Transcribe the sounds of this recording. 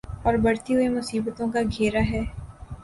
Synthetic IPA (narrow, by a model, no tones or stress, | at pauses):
ɔːɾbɐɽt̪iɦʊemʊsiːbət̪õkaɡʱeːɾaɦɛː